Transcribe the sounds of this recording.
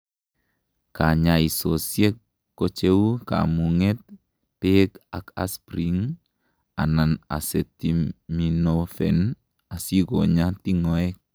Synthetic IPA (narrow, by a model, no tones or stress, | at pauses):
kaɲaisosjek | kːot͡ʃeuka̰muŋɛt̪̚ | pekaka̰spɾiŋ | a̰nana̰setiminofɛn | asiɡoɲatiŋɔɛk̚